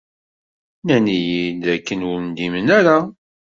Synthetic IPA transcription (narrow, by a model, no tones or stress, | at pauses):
nænijid̪ækːənwʊnd̪imənæɾa